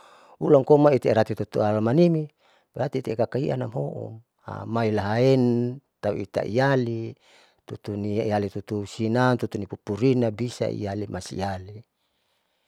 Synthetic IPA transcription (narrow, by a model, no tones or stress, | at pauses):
ulaŋkomait̪eɾat̪it̪ut̪ualamanimi | beɾat̪it̪ekakaiʔa̰namɦoʔṵm | a̰mailaɦaent̪aṵḭt̪a̰ʔḭjali | t̪ut̪uniialit̪ut̪usinant̪ut̪unipupuɾinabisa̰ḭjalimasḭjali